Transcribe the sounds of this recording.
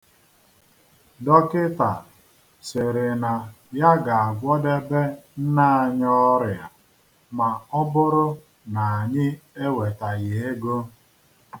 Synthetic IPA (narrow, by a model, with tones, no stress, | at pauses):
dɔ˦kɪ˦ta˨ | sɪ˨ɾɪ˨na˨ | ja˦ɡa˨a˨ɡʷɔ˦de˦be˦n̩˦na˦˨a˨ɲɔ˦ɾɪja˨ | ma˨ɔ˦bʊ˦ɾʊ˦ | na˨a˨ɲɪ˦e˦we˨ta˨ɣe˨e˦ɡo˦